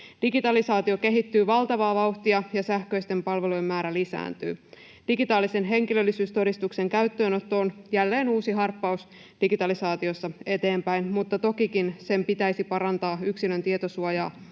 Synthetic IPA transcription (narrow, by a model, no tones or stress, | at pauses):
d̥iɡit̪ɑlisɑːt̪io̞ke̞ɦit̪ːyːʋɑlt̪ɑʋɑːʋɑuht̪iɑjɑsæhkø̞ist̪e̞mpɑlʋelujemːæːɾælisæ̰ːnt̪y̰ː | d̥iɡit̪ɑːlise̞nɦe̞ŋkilø̞lːisyːst̪o̞dist̪ukse̞ŋkæyt̪ːøːno̞t̪ːoːnjælːe̞ːnuːsiɦɑrpːɑus | d̥iɡit̪ɑlisɑːt̪io̞sːɑe̞t̪e̞ːmpæjnmut̪ːɑt̪okikinse̞mpit̪æisipɑɾɑnt̪ɑːyksilønt̪iet̪o̞suɑjɑ̰ː